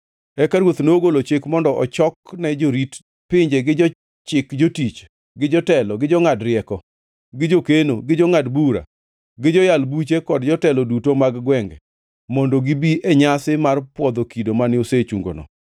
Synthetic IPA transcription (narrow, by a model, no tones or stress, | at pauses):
ɛkaɾwot̪noɡolot͡ʃɪkmɔndɔʔɔt͡ʃɔknɛd͡ʒoɾit | pɪɲd͡ʒeɡɪd͡ʒɔ | t͡ʃɪkd͡ʒotit͡ʃ | ɡɪd͡ʒɔtɛlɔɡɪd͡ʒɔŋadɾɪɛkɔ | ɡɪd͡ʒokenoɡɪd͡ʒɔŋadbuɾa̰ | ɡɪd͡ʒɔjalbut͡ʃekɔdd͡ʒɔtɛlɔdutomaɡɡwɛŋɡɛ̰ | mɔndɔɡɪbiʔeɲasɪmarpwɔd̪okidomanɪoset͡ʃuŋɡo̰nɔ̰